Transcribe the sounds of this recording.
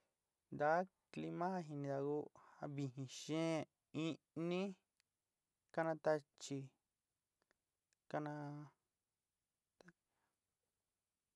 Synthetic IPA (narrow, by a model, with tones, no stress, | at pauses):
nd̪a˨˦ | kli˧mã˦a˧ɦĩ˧nĩ˧ða˧ɣu˦ha˧βi˧ɦĩ˨ʃẽ˦˨ | ĩ˧ | nĩ˦ | ka˦˧nã˧t̪a˧t͡ʃi˧ | ka˧nã˧